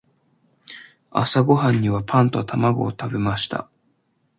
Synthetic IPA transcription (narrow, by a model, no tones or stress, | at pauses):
a̰saɡo̞ɦãɲ̟ːiβapʰãnt̪ot̪ʰamaɡo̞̰ːt̪abe̞maɕi̥t̪a̰